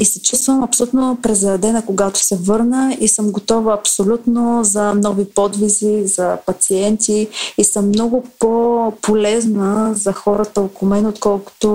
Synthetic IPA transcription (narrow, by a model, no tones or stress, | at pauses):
isɛt͡ʃust̪vəmɐpsolʲut̪nopɾɛzɾɐd̪ɛnəkoɡat̪o̥sɛvɤɾnəisɤmɡot̪ɔvəɐpsolʲut̪nozɐnɔvipɔd̪vizizɐpɐt̪siɛnt̪iisɤmːnɔɡʊpopolɛznəzɐxɔɾət̪əokʊmɛnot̪kɔlˠkʊ̥t̪o